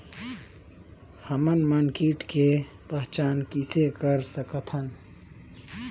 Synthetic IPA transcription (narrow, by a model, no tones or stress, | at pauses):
həmənmənkiʈke | pəɦt͡ʃaːnkisekəɾsəkət̪ʰən